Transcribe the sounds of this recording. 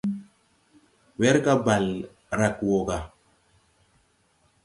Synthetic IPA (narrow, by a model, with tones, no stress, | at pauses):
wɛ˦ɾka˦ba˨l | ɾa˨kwɔ˨ɡa˨